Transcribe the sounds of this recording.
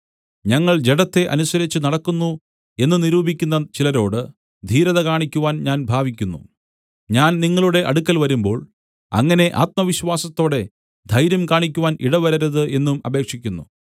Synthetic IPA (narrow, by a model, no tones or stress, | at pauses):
ɲɐŋːɐɭd͡ʑe̞ɽɐt̪ːe̞ʔɐnusɐɾit͡ɕːɨnɐɽɐkːunːu | e̞nːɨniɾuːbʱikʲːunːɐt͡ɕilɐɾo̞ːɽɨ | d̪ʱiːɾɐðɐkaːɳikʲːuʋaːnɲaːnbʱaːʋik̬ʲːunːṵ | ɲaːnniŋːɐɭuɽe̞ʔɐɽukːɐlʋɐɾumbo̞ːɭ | ɐ̰ŋːɐne̞ʔa̰ːt̪̚mɐʋiɕʋaːsɐt̪ːo̞ːɽe̞ | d̪ʱɐjɾjɐmkaːɳik̬ʲːuʋaːnʔiɽɐʋɐɾɐɾɐðɨʔe̞nːumɐbʱe̞ːkʂikʲːunːṵ